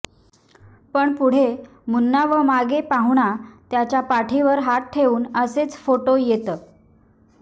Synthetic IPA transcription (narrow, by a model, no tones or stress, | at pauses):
pəɳpuɽ̤e | munːaʋəmaɡepaɦuɳat̪jat͡ɕjapaʈʰiʋəɾɦat̚ʈʰːeuːnəset͡sfoʈojet̪əː